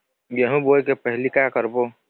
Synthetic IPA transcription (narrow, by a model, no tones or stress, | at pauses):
ɡɛɦũboːekepɛɦlikakəɾboː